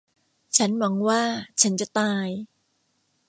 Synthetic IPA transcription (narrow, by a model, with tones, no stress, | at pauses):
t͡ɕʰa˦˥nmɔ˨˦ŋwaː˥˩t͡ɕʰa˦˥nt͡ɕa˨˩t̪aː˧j